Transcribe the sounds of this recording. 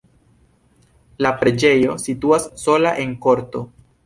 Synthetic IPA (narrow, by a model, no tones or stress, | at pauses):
lapɾed͡ʒe̞jo̞situasːo̞laʔe̞ŋko̞ɾto̞